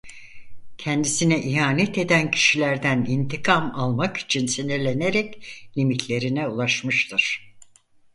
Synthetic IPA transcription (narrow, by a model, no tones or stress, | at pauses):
cʰɛnd̪isinɛʔiɦaːnɛt̪e̞d̪æncʰi̥ʃilʲæɾd̪ænint̪ʰikʰamalˠmaki̥t͡ʃʰinsinelʲeneɾɛclʲimit̪ʰlʲe̞ɾinɛulˠaʃmɯʃt̪ʰɯɾ̥